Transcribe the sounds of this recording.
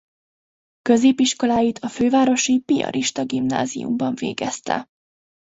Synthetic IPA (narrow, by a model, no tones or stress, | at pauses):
kø̞zeːpiʃko̞laːjit̪ʰɒføːvaːɾo̞ʃipijɒ̰ɾʔiʃt̪ɒɡimna̰ːzḭjṵmbɒɱvḛːɡɛst̪ɛ̰